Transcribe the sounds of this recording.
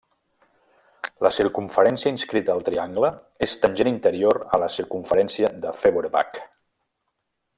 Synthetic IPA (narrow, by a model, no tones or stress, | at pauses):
ləsiɾkuɱfəɾɛnsjəinskɾit̪əəlˠt̪ɾiaŋɡlə | est̪ənʲʒenint̪əɾioɾə̰ləsiɾkuɱfəɾɛnsiəðəfeβoɾepa̰k